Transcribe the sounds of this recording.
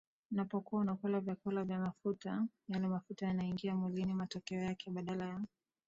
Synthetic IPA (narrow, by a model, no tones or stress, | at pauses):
napɔkuaunakɛlavjakɛlavjamafuta | jalɛmafutajanaiŋɡiamwilinimatɔkɛɔjakɛɓaɗalaja